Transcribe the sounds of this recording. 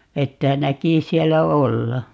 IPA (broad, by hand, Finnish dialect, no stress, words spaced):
etːæ næki siɛlːæ olːɑ